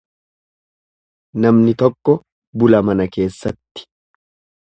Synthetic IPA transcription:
nɐmnɪt̪ɔkːɔ | bʊlɐmɐnɐke̞ːsːɐt̪ːɪ̥

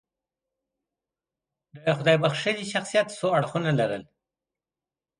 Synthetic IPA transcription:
d̪əxʊd̪ɑjbaxʃəniʃaxsijat̪soaɽxunalaɾə̰l

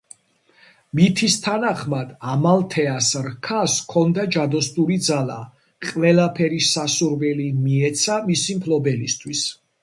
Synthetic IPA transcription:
mit̪ʰist̪ʰanaχmad̪amalt̪ʰɛasɾkʰaskʰɔnd̪ad͡ʒad̪ɔst̪ʼuɾid̪zala̰ | qʼwɛlapʰɛɾisasuɾvɛlimiɛt̪sʰamisimpʰlɔbɛlist̪ʰwis

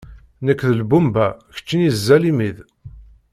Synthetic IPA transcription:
nəkːðəlbumbæçə̥t͡ʃːinizːælimið

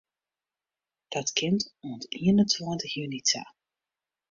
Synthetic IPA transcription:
d̥ɑtkɪntɔntiənəntwɔːntəxjynita̰

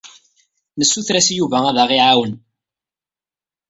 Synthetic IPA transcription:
nəsːuθɾæsjuvææðæʁiʕawən

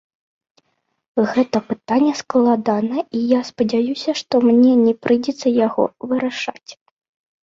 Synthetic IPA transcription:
ɣɛt̪ɐpɨt̪anʲːɛsklˠad̪anɐijaspɐd͡zʲajusʲɐʂt̪ɔmnʲɛnʲɛpɾʔɨd͡zʲɛt̪sːɐjaɣɔ̰vɨɾɐʂat͡sʲ

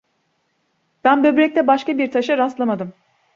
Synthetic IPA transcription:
b̥ænbø̞bɾɛc̚t̪ʰɛbaʃkabiɾt̪ʰaʃɯɾast̪lˠamad̪ɯm

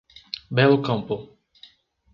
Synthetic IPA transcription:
bɛlkɐ̃mplˠ

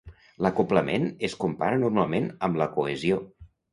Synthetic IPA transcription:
ləkopləmenəskumpa̰ɾənurmalˠmenəmləkuezio

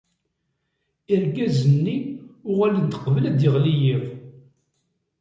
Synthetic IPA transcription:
iɾɡæzənːiʊʁælid̪ə̥qvəlæd̪jɪʁlijiʁ

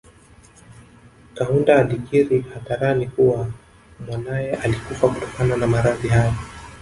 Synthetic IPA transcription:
kaundaːɗiɡiɾihaðaɾanikuwa | mwanajɛʔalikufakutɔ̥kananamaɾaðiɦajɔ

